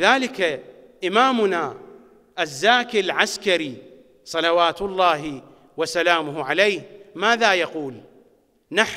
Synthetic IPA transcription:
ðaːlɪka | ʔɪmaːmʊna | ʔazːaːkɪlʕaskaɾi | sˤɑlɑwaːt̪lˤːaːɦ | wasalaːmʊhʕalejːhmaːðaːjaquːl | naħ

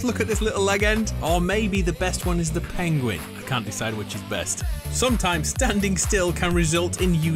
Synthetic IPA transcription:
lʊkɨt̪̚ðɪslɪɾl̩ˠlɛɡɛ̃ndə˞meɪbiðɨbɛst̚wʌ̃nɨzðɨpʰæ̃ŋɡwɪ̰̃naɪkʰæ̃nd̥ɨsaɪd̚wɨt͡ʃɨzbɛ̰stsʌ̃mtʰãɪ̃mz̥stæ̃ndɪ̃ŋstɪlˠkʰə̃nɹɨzʌlˠtʰɪ̃njɨ

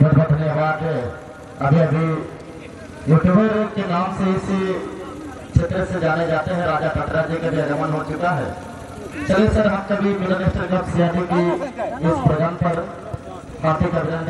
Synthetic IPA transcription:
bəd̪bəd̪ʱənjabaːd̪ɦɛ | ɐbʱiɐbʱi | joʈbʱəɾoːɡ̚kenaːmseɪsi | kʃʰet̪ɾəsed͡ʒaːned͡ʒaːt̪eɦɛ̃ɾaːd͡ʒakəʈʰɾad͡ʒikabʱiɐnəmənɦot͡ʃʊkaɦɛ̰ː | t͡ʃɐlesəɾɦɐmkabʱimɪlənɪʃʈəɾkəpsiaːd͡ʒikiɪspɾəd̪aːnpɐɾ | kʰaːɾt̪ikɐbʱɪnənd̪

